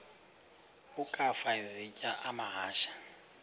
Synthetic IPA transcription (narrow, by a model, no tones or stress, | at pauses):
ukʼafaizicʼaʔamaɦaːʃḁ